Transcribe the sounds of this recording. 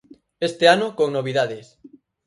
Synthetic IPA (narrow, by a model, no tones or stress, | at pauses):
est̪eanʊkoŋnoβiðaðes